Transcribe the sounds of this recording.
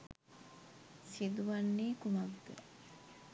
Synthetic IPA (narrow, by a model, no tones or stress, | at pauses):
sid̪uʋanːeːkumaɡd̪ə̰